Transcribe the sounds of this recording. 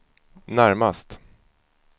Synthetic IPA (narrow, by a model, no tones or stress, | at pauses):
næɾmast̪